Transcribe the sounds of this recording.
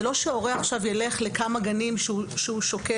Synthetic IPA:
lo̞ʃeo̞ʁeaχʃavjele̞χle̞kamaɡanimʃeuʃeuʃoke

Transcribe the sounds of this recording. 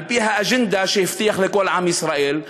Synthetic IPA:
fiːɦæʔaʒɪnd̪aʃift̪iːxlɪkoːlʕamjɪsɾˤɑʔiːl

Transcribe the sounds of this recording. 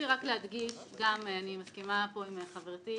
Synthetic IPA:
iʁaklead̪ɡiʃɡamanimaskimapo̞imeχaveʁt̪i

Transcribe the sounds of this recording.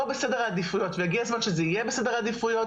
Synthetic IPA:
obesedeʁad̪ifujo̞t̪vejaɡiazmanʃezeijebese̞deʁad̪ifujo

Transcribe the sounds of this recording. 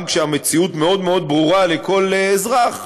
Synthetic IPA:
mkʃeame̞t͡siutme̞o̞d̪me̞o̞d̪̚bʁuʁaleko̞lezʁaχ

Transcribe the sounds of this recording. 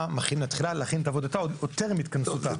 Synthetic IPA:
maχimlat̪χilaleaχinetaːvod̪atajot̪eʁmit̪kansut̪a

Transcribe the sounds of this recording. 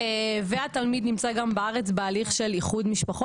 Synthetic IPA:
veat̪almid̪nimt͡saɡambeaʁet͡sbealiχʃe̞liχud̪miʃpaχo

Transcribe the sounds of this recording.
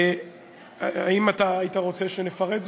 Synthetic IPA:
aimat̪aːitaʁo̞t͡seʃenefaʁedz

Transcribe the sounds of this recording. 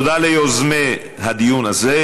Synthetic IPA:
d̪alejozme | had̪ijunaze

